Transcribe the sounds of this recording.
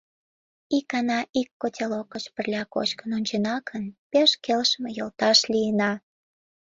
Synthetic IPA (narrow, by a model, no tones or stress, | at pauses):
ikɑnɑʔikːotʲʰelokət͡ɕpə̆rlʲɑko̰t͡ɕkənonʲt͡ɕenɑkʰənpeʃkelʃmejolt̪ɑʃlijənɑ